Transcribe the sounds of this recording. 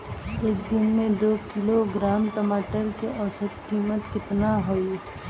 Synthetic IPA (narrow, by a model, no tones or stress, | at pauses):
eːk̚d̪ɪnmẽd̪oːkɪloɡɾaːmʈəmaːʈəɾkeʔɔːsət̪kiːmət̪kɪt̪naɦoi